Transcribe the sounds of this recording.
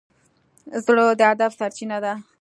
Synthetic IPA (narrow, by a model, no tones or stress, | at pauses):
zɽod̪əad̪afsaɾt͡ʃinad̪a